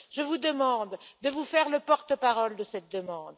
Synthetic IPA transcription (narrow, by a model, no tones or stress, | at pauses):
ʒəvud̪əmɑ̃d̪d̪əvufɛʁləpɔʁt̪əpaʁɔld̪əsɛt̪̚d̪əmɑ̃d̪